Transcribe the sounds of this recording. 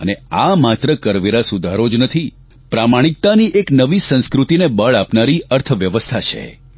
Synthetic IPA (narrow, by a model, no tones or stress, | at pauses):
ə̰neamat̪ɾəkəɾʋeɾasud̪ʱaɾod͡ʒnət̪ʰi | pɾamaɽ̃ik̚t̪aniʔeknəʋisə̃nskɾut̪inebəɭapnaɾiəɾt̪ʰəʋjəʋəst̪ʰat͡ʃʰḛ